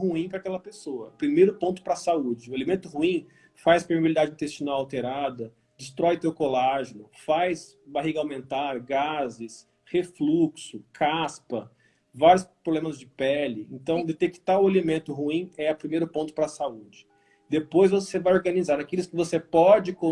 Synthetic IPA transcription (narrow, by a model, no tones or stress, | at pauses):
uĩpɾɐakɛlɐpesoɐʊpɾimejɾʊpõnt̪ʊ̥pɾɐsaud͡ʒɪʊalimẽnt̪ʊhuĩ | fajspeɾmibilid̪ad͡ʒɪĩnt̪est͡ʃinawawt̪eɾad̪ɐ | d͡ʒɪst̪ɾɔjʊt̪ewkolaʒɪnʊfajs | baɦiɡɐawmẽnt̪aɾɡazɪs | hefluksʊkʰaspɐ | vaɾjʊspɾoblẽmɐzd͡ʒɪpɛlɪḛ̃nt̪ɐ̃w̃d̪et̪eki̥t̪aɾʊalimẽnt̪ʊɦuĩɛɐpɾimejɾʊpõnt̪ʊ̥pɾɐsaud͡ʒɪ | d̪epojzvosevajoɾɡɐnizaɾnakilʊskɪvosepɔd͡ʒɪkõ